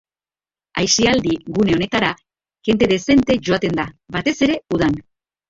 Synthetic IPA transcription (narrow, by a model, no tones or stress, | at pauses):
ajsiald̪iɣune̞o̞ne̞t̪aɾa | ke̞nt̪e̞ðe̞se̞nt̪e̞ʝo̞at̪e̞nd̪abat̪e̞se̞ɾe̞uð̞an